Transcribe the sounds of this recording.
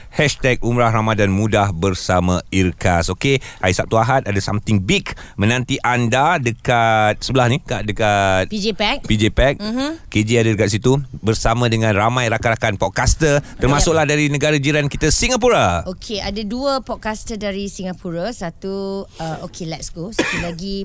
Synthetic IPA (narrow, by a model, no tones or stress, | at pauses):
hɛʃt̪ɛk̚umɾahramadanmũdahbərsamãirkasokeaisap̚t̪uaɦat̪̚adasamt̪ɪŋbik | mə̃nãnt̪iʔandadəkat̪̚səbəlahnikadəkat̪̚pid͡ʒepɛk̚pid͡ʒepɛk̩̚ked͡ʒiadadəkat̪̚sit̪ubərsamãdəŋãnramãjɾakaɾakanpɔʔ̚kast̪ərt̪ərmasʊk̚lahdaɾinəɡaɾad͡ʒiɾankit̪asiŋap̬uɾaokʰeadaduəpɔt̚kast̪ədaɾisiŋapuɾasat̪uəokʰelɛt̚sɡosat̪ilaɡi